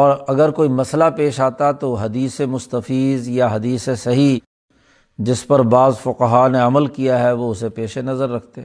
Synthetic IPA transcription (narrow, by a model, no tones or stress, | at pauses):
ɔːɾɐɡəɾkoːimɐslapeːʃaːt̪at̪oɦɐd̪iːsemʊst̪əfiːzjaɦɐd̪iːsesɐɦi | d͡ʒɪspɐɾbaːzfʊqəɦaneɐməlkijaɦɛʋoʊsepeːʃenɐzəɾːɐk̚ʰt̪e